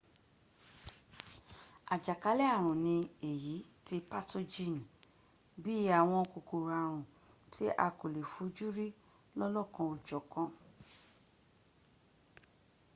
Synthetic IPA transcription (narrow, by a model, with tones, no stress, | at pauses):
a˨d͡ʒa˨ka˧˦lɛ˦a˦˨ɾ̃ũ˨nĩ˧e˨ji˨˦ti˧pa˦to˧d͡ʒĩ˦˨n˨ | bi˦a˨w̃ɔ̃˧ko˨ko˨ɾa˨ɾ̃ũ˨ | tʰi˦ʔa̰˧˨ko˨le˨fu˨˦d͡ʒu˦ɾi˦ | lɔ˦lɔ˦˨kã˧o˨d͡ʒɔ˨kã˧